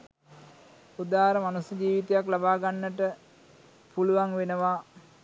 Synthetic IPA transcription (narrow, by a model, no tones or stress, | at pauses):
ud̪aːɦɾəmanusjəd͡ʒiːʋit̪ejaklabaːɡanːəʈə | puluʋaŋʋenəʋa